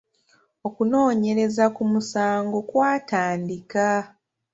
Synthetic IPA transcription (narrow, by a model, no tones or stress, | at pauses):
o̞kuno̞ːɲe̞ɾe̞zakumusaːŋɡo̞kwaːtaːndika